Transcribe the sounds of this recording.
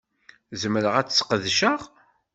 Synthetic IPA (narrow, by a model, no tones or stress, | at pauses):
zəmɾəʁæt͡sːsqəðʃəʁ